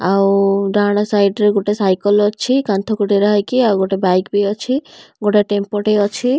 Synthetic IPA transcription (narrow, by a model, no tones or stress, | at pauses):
awɖaɽ̃ɔsajɖɾeɡoʈesajkɔlɔt͡ʃʰikant̪ʰokuʈeɾaɦajkiawɡoʈebajkbiɔt͡ʃʰiɡoʈeʈempoʈeɔt͡ʃʰi